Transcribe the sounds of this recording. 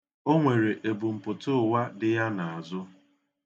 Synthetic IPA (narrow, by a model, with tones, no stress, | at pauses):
o˦ŋʷe˨ɾe˨ʔe˨bu˨m̩˨pʊ˨tʊ˦˨wa˦dɪ˦ja˦na˨a˨zʊ˦